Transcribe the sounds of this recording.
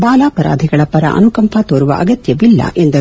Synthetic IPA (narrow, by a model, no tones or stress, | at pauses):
baːlaːpɐɾa̰ːd̪ʱiɡɐɭɐpɐɾɐ̰ʔɐ̰nukɐmpʰɐt̪oːɾuʋɐ̰ʔɐɡɐt̪jɐʋilːɐ̰ʔend̪ɐ